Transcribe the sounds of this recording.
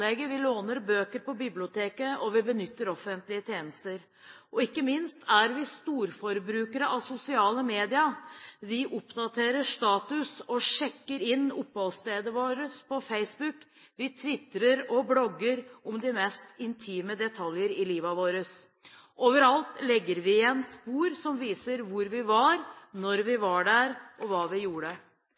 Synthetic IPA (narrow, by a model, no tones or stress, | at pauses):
ɛɡəʋɪloːnəɾbøːkəɾpɔbɪblɪʊt̪ʰeːkəʔɔʋɪbənʏt̪ːəɾɔfənt̪lɪət̪ʰjeːnəst̪əɾ | ɔɪkːəmɪnst̪æɾʋɪst̪uːɾfɔɾbɾʉːkəɾəʔɑʋsʊsɪɑːləmeːd̪ɪɑʋɪʔʊpd̪ɑt̪ʰeːɾəʂt̪ɑːt̪ʉsɔʂɛkːəɾɪnːʊpːhɑlst̪eːd̪əʋoːɾəspʰɔfeɪsbʉk | ʋɪt̪ʰʋɪt̪ːɾəɾɔblɔɡːəɾɔmd̪ɪmɛst̪ɪnt̪ʰiːməd̪ɛt̪ʰɑljəɾɪliːʋɑʋoːɾəs | ʔoːʋəɾɑlt̪lɛɡːəɾʋɪɛnspuːɾsɔmʋiːsəɾʋʊɾʋɪʋɑɾnɔɾʋɪʋɑɖæɾʔɔʋɑːʋɪjuːɾə